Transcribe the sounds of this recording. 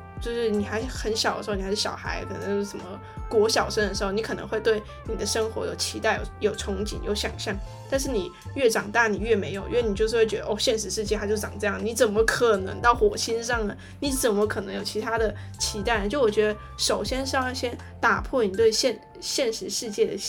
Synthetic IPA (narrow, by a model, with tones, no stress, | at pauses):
t͡ɕjo˥˧ʊʂɻ̩˥˩ni˨˩xa˧˥ɪʂxə˧˥nɕjɑ˨˩ʊd̪ə˧ʂ̩˧˥n˨˩˧ɻ̩˥˩ɕjɑ̰˨˩ʊxa̰˧˥ɪkʰɤ˨˩nə̰˧˥ŋt͡ɕo˥ʂə˨˧˩mə˦ | kwɔ˧˥ɕjɑ˨˩ʊʂə˥ŋd̪ə˨˩ʂɻ̩˧˥xo˥˩ni˧˥kʰɤ˨˩nɤ̰˧ŋxwe˧t̪we˥˩ɪ | ni˨˩d̪ə˦ʂɤ˥ŋxwɔ̰˧˥jo˨˩ʊt͡ɕʰi˧˥t̪a˥˩ɪjo̰˨˩ʊjo˨˩ʊʈ͡ʂʰʊ˧˥ŋt͡ɕḭ˨˩njo˧˥ʊɕjɑ˨˩ŋɕjɑ˥˩ŋ | t̪a˥˧nʂ̬ɻ̩˥˩ni˨˩ | ɥɛ˥˩ʈ͡ʂɑ˨˩ŋt̪a˥˩ni˨˩ɥɛ˥˩me˧˥ɪjo˨˩ʊḭ˥we˥˩n˨˩t͡ɕjo˥˧ʂɻ̩˥˧we˥˩ɥɛ˧˥ə˧ʔɔ˥˧ɕjɛ˥˩nʂɻ̩˧˥ʂɻ̩˥˧t͡ɕjɛ˥˩a˧˥t͡ɕo˥˧˥ʈ͡ʂɑ˨˩ŋʈ͡ʂɤ˥˧jɑ˥˩ŋ˧ni˧˥t͡sə˨˩mə˦kʰɤ˨˩nɤ̰˧˥ŋt̪ɑ˥˩ʊxwɔ˨˩ɕi˥nʂɑ˥˩ŋnə˩ | ni˧˥t͡sə˨˩nmə˧˦kʰɤ˨˩nɤ˧˥ŋjo˨˩ʊt͡ɕʰi˧˥t̪ʰa˥d̪ə˨ | t͡ɕʰi˧˥t̪a˥˩ɪna˧˩t͡ɕjo˥˩˥wɔ˨˩t͡ɕɥɛ˧˥ə˧ | ʂo˨˩ʊɕjɛ˥nʂɕjɛ˥n | t̪a˨˩pʰwɔ˥˩ni˨˩t̪we˥˧ɪɕjɛ˥˧n | ɕjɛ˥˩nʂɻ̩˧˥ʂɻ̩˥˧t͡ɕjɛ˥˩d̪ə̰˨˩